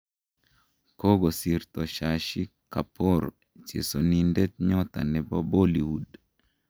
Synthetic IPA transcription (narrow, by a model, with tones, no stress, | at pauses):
ko˦ɡɔ˨siɾt̪ɔ˨ʃa˨ʃi˦ka˨pʰɔ˦ɾ | t͡ʃḛ˨so˨nindɛ˦t̪̚ɲɔt̪a̰˨nɛ˨bɔ˦bo˦li˨wud